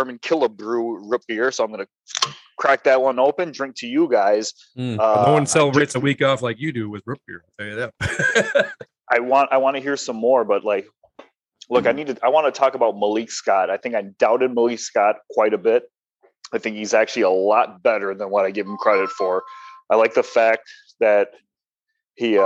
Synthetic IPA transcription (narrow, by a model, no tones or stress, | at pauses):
ə˞mɨ̃nkʰɪlˠəbɹuɹʊp̚b̥iə˞soʊaɪ̃ɡʌnɨ | kʰɹ̥æk̚ðɨt̚wʌ̃noʊpɨ̃ndɹɪ̃ŋk̚tʰɨjɨɡaɪz̥ | ʌnoʌ̃nsɛlˠəbɹeɪtsəwikɔflaɪkjɨdɨwɪðɹʊp̚b̥iɹɪl̩ˠtʰɛlˠjɨðæt̚ | ʔaɪwɑ̃ntaɪwɑ̃nɨɦiɹsʌ̃mːɔɹbʌtˡlaɪk | lʊkaɪnid̚tʰɨʔaɪwɑ̃nɨtʰɔkəbaʊt̚məlikskɑɾaɪθɪ̃ŋkãɪdaʊɾɨd̚məliskɑt̚kʰw̥aɪɾɨbɪt̚ | aɪθɪ̃ŋkhizæk̚t͡ʃʉl̩ˠiəlɔt̚b̥ɛɾə˞ðə̃nwʌɾaɪɡɛɾɪ̃mkʰɹ̥ɛɾɨtfə˞aɪlaɪk̚ðəfæk̚t̚ | ðɨt̚ | hi